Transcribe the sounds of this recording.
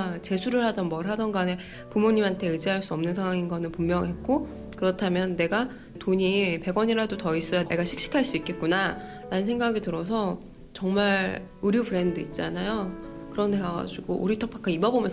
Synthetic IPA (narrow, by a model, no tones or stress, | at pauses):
t͡ɕe̞sʰuɾɯɭhadʌnbʌɾɦadʌnɡane̞ | pumoɲimantʰe̞ɯd͡ʑiɦaɭs͈uʌmnɯnsʰaŋwaŋinɡʌnɯnpumːjʌŋɦet̚k͈o | kɯɾʌtʰamjʌnːe̞ɡa | toɲipe̞ɡwʌɲiɾadotʌis͈ɯne̞ɡaɕʰi̥k̚ɕ͈i̥kʰaɭs͈uik͈e̞t̚k͈una | ɾanɯnsʰe̞ŋɡaɡitɯɾʌs̬ʰʌ | t͡ɕʌŋmaɾ | uɾjupɯɾe̞ndɯit̚t͡ɕ͈anajo | kɯɾʌneɡʌɡa̰d͡ʑuɡoʔo̰ɾitʰʌpʰak͈ʰaimʌbomjʌ